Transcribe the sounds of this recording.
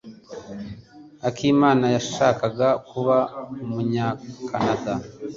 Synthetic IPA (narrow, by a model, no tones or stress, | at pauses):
akʰiːmaːnajaʃaːkaɡakuβaumuɲaːkanada